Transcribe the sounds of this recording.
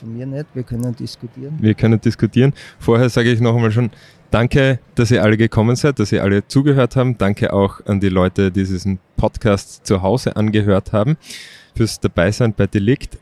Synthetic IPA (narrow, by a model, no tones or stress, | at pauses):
fmiːɐnɛtʋiːɐkʰœnənd̥ɪskutʰiːnviːɐkʰœnənd̥ɪskʊtʰiːɐənfoːɐhɛːɐzaːɡəɪçnɔχɛmaːlʃ̬oːn | d̥aŋkəd̥asiːɐʔaləɡəkʰɔmənz̥aɪt̚d̥asiːɐʔa̰lət͡suːɡəhøːɐthaːbm̩d̥aŋkʰəʔaʊxʔandiːlɔʏtədiːdiːzn̩pʰɔtkʰaːstt͡suɦaʊz̥əʔanɡəɦøːɐthaːbm̩fyːɐsd̥ab̥aɪz̥aɪnb̥aɪd̥elɪkt